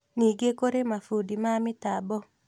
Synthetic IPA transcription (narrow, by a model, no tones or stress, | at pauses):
niɡekoɾemafudimamɪtabɔ